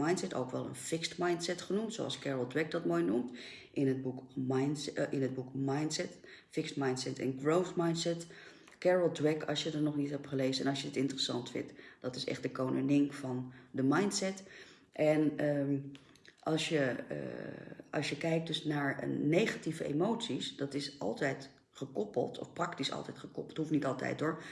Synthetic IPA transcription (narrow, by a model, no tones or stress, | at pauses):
ɑjntsɛto̰wkʋɛ̰lˠə̰nfɪkstmɑjntsɛtχənumtso̰ɑ̰lˠskɛɹəlˠdɹɛk̚dɑt̚moːjnumt | ʔɪnəd̚bukmɑjnʔɪnɦəd̚bukmɑjntsɛt | fɪkstmɑjntsɛtɛ̰nɡrowfmɑjntsɛt | kɛɹəlˠdɹɛkɑ̰sjədəɹnɔχnitɦɛp̚χəlejzəɛnɑlˠsjəɪtɪntərəsɑ̰ntfɪ̰ntd̥ɑtɪsɛ̰χdəkownʔənɪŋfɑndəmɑjntsɛt | ʔɛnə | ʔɑlˠsjə̰ | ɑ̰lˠsjəkɛjk̚dɵsnaːɹə̰nːejχativəʔḛmowtsisd̥ɑtɪsʔɑ̰lˠtɛjt | χəkɔpə̰lˠtʰɔ̰fprɑktisɑ̰lˠtɛjtχəkɔpəlˠthufnitɑlˠtɛ̰jt̚dʊːɹ